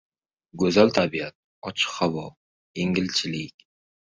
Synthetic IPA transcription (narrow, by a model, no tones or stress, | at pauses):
ɡɵzalt̪ʰabiat̪̚ | ɒt͡ʃʰɪ̥qhawɒ | jeŋɪlt͡ʃʰɪlɪkʲ